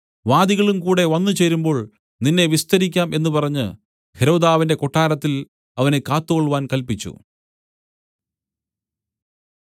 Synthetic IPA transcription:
ʋaːd̪iɣɐɭumkuːɽe̞ʋɐnːɨt͡ɕeɾumbo̞ːɭ | ninːe̞ʋist̪ɐɾikʲːaːmʔe̞nːupɐrɐɲːɨ̰ | heɾo̞ːd̪aːʋinde̞koʈːaːɾɐt̪ːil | ɐʋɐne̞kaːt̪ːukoɭuʋaːnkɐlpit͡ɕːṵ

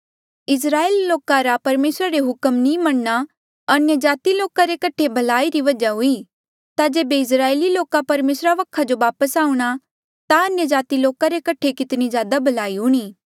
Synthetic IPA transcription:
ɪs̬ɾaːeːlloːkaɾapɐɾmeːsɾaɾeɦʊkəmnimɐɽna | ɐnjəd͡ʒaːt̪iloːkaɾekɐʈʰebʱɐlaːiɾiʋɐd͡ʒaɦʊi | t̪ad͡ʒeːbeɪs̬ɾaːeːliloːkapɐɾmeːsɾaʋɐkʰad͡ʒoʋaːpəsaːũɽ̃a | t̪aɐnjəd͡ʒaːt̪iloːkaɾekɐʈʰekɪt̪nizjaːd̪abʱɐlaːiɦʊɽ̃iː

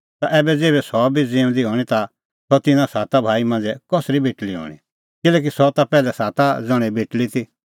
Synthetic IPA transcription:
t̪aʔɛːbɛd͡zeːβɛsɔbid͡ziːʊ̃d̪iɦɔːɽ̃it̪a | sɔt̪ɪnãsaːt̪abʱaːimɐ̃nd͡zɛkɔsɾibʱeʈliɦɔ̰ːɽ̃ḭ | kɪlɛːk̬isɔt̪apɛːlɛsaːt̪ad͡zɔɽ̃ibʱeʈlit̪ʰi

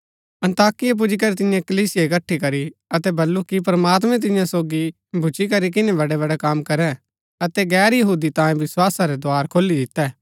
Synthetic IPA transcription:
ɐ̃nt̪aːkɪjap̬ʊd͡ʒik̬ɐɾit̪ɪ̃jãkɐliːsɪjaɪkɐʈʰːikɐɾiɐt̪ɛbɐlːukip̬ɾɐmaːt̪̬mɛ̃t̪̬ɪjãsoːɡi | bʱʊt͡ʃik̬ɐɾik̬ɪnẽbɐɖeβɐɽɛkaːmkɐɾɛ̃ | ɐt̪ɛɡɛːɾjɐɦuːd̪it̪ãːẽʋɪswaːsaɾed̪oaːɾkʰoːlid̪ɪt̪ːɛː

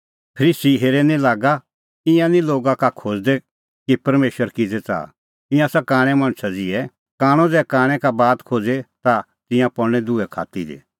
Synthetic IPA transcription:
pʰɐɾiːsiɦeːɾɛnĩlaːɡa | ɪ̃jãnĩloːɡakakʰoːd͡zd̪ɛ | kipɐɾmeːʃəɾkɪd͡zɛt͡sa̰ː | ɪ̃jãsakãːɽ̃ɛ̃mɐ̃ɽ̃sad͡zɪɛ | kaːɽ̃ɔ̃d͡zɛːkaːɽ̃ɛkabaːt̪kʰoːd͡zet̪a | t̪ɪ̃jãpɔɽñɛd̪ʊɛkʰa̰ːt̪idḛ

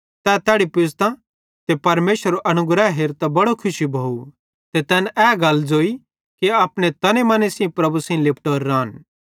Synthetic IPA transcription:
t̪ɛt̪ɛːɽipɪst̪ã | t̪epɐɾmeːʃəɾoʔɐñʊɡɾaɦeːɾt̪ɐbɐɽokʰʊʃibʱoːu | t̪et̪ɛːnɛːɡɐld͡zoːi | kiaːpɽ̃et̪ɐnemɐnesĩpɾɐbusĩĩlɪp̚ʰʈoːɾːãːn

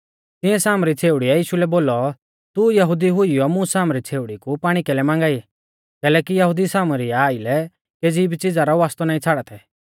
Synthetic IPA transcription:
t̪ɪ̃ɛ̃saːmɾit͡sʰeːʊɽiajiːʃulɛboːlɔ | t̪ujɐɦʊd̪iɦʊijɔmũsaːmɾit͡sʰeːʊɽikupaːɽ̃ikɛlɛmãːŋɡaːi | kɛːlɛːkijɐɦʊd̪isaːmɾiaaːilɛ | keːd͡ziːbit͡sɪd͡zaɾɔaːst̪ɔnaːĩt͡sʰaːɽat̪ʰɛ

